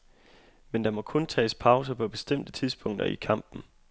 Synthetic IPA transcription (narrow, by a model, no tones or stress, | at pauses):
mend̥ɑ̈mɒ̽kʰɔ̽nt͡sʰɛ̰ːspʰɑ̈ʊs̬əpʰɒ̽b̥e̝sd̥em̰d̥ət͡sʰiðˠsb̥ʰɔ̽ŋ̰d̥ɐ̰ikʰɑ̈m̰b̥n̩